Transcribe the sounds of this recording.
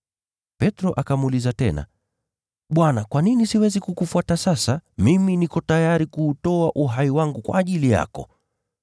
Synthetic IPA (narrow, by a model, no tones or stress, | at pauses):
pɛtɾɔʔakamuulizatɛna̰ | ɓwanakwaninisiwɛzikukufuatasasamiminikɔtajaɾikuːtɔaʔuɦaiwaŋɡukwa̰ːʄilija̰kɔ̰